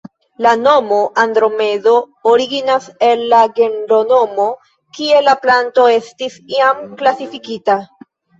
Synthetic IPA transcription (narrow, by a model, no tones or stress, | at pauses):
lano̞mo̞ʔandɾo̞me̞do̞ | oɾiɡinase̞lːaɡe̞nɾo̞no̞mo̞ | kie̞laplanto̞e̞stisiamklasifikita